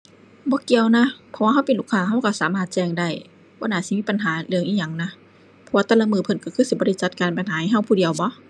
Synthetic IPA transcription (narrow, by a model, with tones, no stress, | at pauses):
bɔː˧˦ki˨˧˨əwna˧˥pʰɔ˧waː˧ɦa˧˥˨wpe˨nlu˧˩kʰaː˧˨ɦa˧˥˩wka˧˩saː˨˦maː˧˩t̪̚t͡ɕɛː˧˩ŋda˧˩j | b̥ɔː˧˨naː˧˩si˧˦miː˧˥˨pa˨nɦaː˨˦lɯ˧əŋʔiː˧˨ɲa˧˩ŋna˧˥ | pʰɔ˧waː˧t̪a˧˩la˧˨mɯː˧˩pʰɤ˧˩nka˧˩kʰɯː˧˩si˧˦bɔː˧˨a˧˩˨t͡ɕa˧t̪̚kaː˨npa˨nɦaː˨˦ha˧˨jɦa˧˥˩wpʰuː˧di˨əwbɔ˧˦